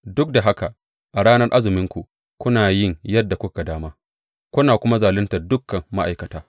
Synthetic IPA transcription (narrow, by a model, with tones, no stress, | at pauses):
dʊ˦k̚da˨ɦa˦ka˨ | ʔa˨ɽaː˦nɐ˦rʔa˦zɪ˨mɪ˦ŋkʷu˨ | kʷʊ˦naː˨jɪ˦˨ŋjɐ˦dːa˨kʷʊ˦ka˨daː˦maː˦ | kʷʊ˦naː˨kʷʊ˦ma˦zaː˨lɪ˦ntɐ˨dʊ˦kːɐ˨mːa˦ʔa̰˨jkɐ˨taː˦